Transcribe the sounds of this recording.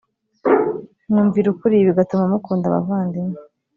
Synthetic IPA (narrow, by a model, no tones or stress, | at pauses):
nuːɱviɾukuɾiβiɡatumamukuːndaβa̰vaːndime